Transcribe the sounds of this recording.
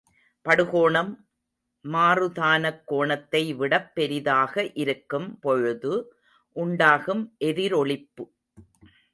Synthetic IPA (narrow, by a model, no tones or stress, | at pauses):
pɐɽɯɣoːɳɐmː | aːrɯðaːnɐkːoːɳɐt̪ːɐɪʋɪɽɐpːɛɾɪðaːɣɐʔɪɾɯkːɯmpɔɻɯðɯ | ʔʊɳɖaːɣɯmʔɛðɪɾɔɭɪpːɯ